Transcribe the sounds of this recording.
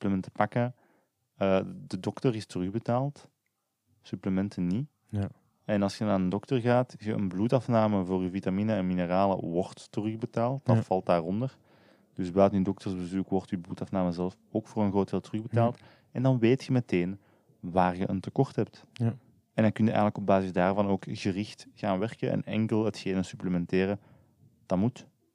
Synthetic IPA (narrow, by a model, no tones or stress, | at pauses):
sypləmɛntə̥pɑkə | ədədɔktərɪstərɵɣbətaːlˠt | sypləmɛntəni | ɛnɑlˠsxənaːnəndɔktərɣaːtɣəʔənbluːtɑfnaːməvoːryvitaminəɛnminəraːlə̰wɔrtːərɵɣbətaːlˠt̚d̥ɑfɑlˠt̚daːrɔndər | d̥ɵsbaːtyndɔk̚tərzbəzukwɔrtyːbluːtɑfnaːməzɛlˠf | oːkfoːrənɣroːt̚d̥eːlˠtərɵɣbətaːlˠt | ɛndɑnʋeːtxəmɛteːn | waːrɣə̰ʔəntəkɔrtɦɛp̚t | ɛndɑkʏnjəɛ̰jɣənləkɔb̚baːzɪzdaːrvɑnoːkɣərɪxtɣaːnʋɛrkəʔɛ̰nɛ̰ŋkəlˠətxeːnəsypləmɛnteːɾə | d̥ɑtmut